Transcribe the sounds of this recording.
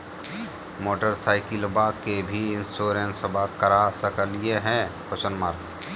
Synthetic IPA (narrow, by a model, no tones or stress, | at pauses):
moːʈəɾsaːɪkɪlbaːkːebʱiɪnsoːɾẽnsəbʱakəɾasəkəlieɦɛ̃pʰʊsənmaːɾt